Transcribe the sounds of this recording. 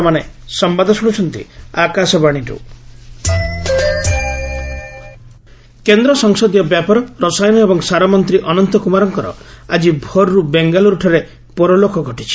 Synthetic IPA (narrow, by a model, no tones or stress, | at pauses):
manesɔmbad̪ʱɔsɔɽut͡ʃʰɔnt̪ḭakasɔbaɽ̃iɾṵ | kend̪ɾɔsɔŋsɔd̪jɔbjapɔɾɔɾɔsajnɔebɔŋsaɾɔmɔnt̪ɾiʔɔnɔnt̪ɔkumaɾɔŋkɔɾɔ̰ad͡ʒibʱɔɾɾubeŋɡalɔɾuʈʰaɾe | pɔɾɔlokɔɡʱɔʈit͡ʃʰi̥